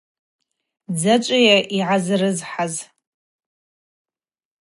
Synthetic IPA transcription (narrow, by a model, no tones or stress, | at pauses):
d͡zat͡ʃʷʼajaʔiʕazrɨzħaz